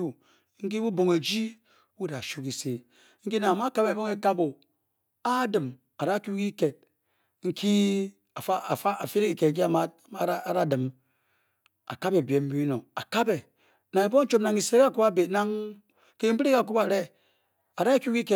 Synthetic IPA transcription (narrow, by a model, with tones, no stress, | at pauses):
u˦ | ŋ̩˦k̬i˦wu˦bo˨ŋe˨d͡ʒi˦ | wu˦da˨ʃu˦ki˨se˨ | ŋ̩˦ki˦na˨ŋa˨ma˦ka˦be˨bo˦ŋe˦ka˦bo˨ | a˦dɨ˨m | a˨ɾa˦kʲu˦ki˦ke˨t̚ | ŋ̩˦kʰi˦ | a˨fa˦˨fa˦a˨fe˦ɾe˦ki˨ke˨d͡ʒi˦a˨ma˦a˦a˦˨ɾa˦dɨ˨m | a̰˨ka˦be˨bje˨m̩˦bi˦i˦no˨a˨ka˦be˨ | na˨e˨bo˦n̩˦t͡ʃo˦na˨ŋi˨se˦ka˦˨ku˦ba˦be˨tna˦ŋ | ke˦m̩˦bi˦ɾe˦ka˨ku˦pa˨ɾe˦ | a˨ɾa˦kʲu˦ki˦ke˨